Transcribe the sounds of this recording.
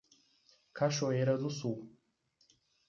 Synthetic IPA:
kʰaʃoeɾɐzusu

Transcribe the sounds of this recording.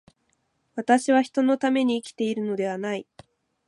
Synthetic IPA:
βat̪aɕiβaçi̥t̪o̞no̞t̪ame̞ɲ̟iːkʲi̥t̪e̞iɾɯ̟no̞d̪e̞β̞anai

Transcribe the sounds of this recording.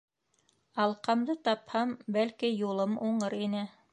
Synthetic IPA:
ɑlˠqɑmd̪ɤt̪ɑphɑmbælkijulˠɤmuɴɤɾinɘ

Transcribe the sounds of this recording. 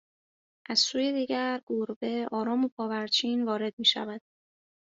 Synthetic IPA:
ʔæz̥suːjed̪iːɟæɾɡ̥uɾbe̞ɒːɾɒːmopʰɒːvæɾt͡ʃʰiːnvɒːɾe̞d̪̚miːʃæ̰væd̪̥̚

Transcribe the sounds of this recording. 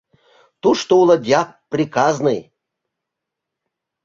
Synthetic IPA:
t̪uʂt̪oulˠəd̪ʲak̚prʲikaznɨj

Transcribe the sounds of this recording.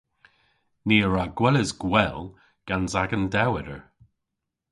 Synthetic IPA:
niːəɹaɡwɛləzɡwɛl | ɡ̥anzaɡəndɛwɛɾəɹ

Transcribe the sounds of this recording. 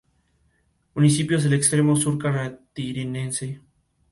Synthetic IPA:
munisipjozðelekst̪ɾemosuɾkaɾat̪iɾinense

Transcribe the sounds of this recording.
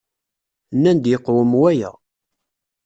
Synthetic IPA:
nːænd̪jəqːwəmwæjæ̰

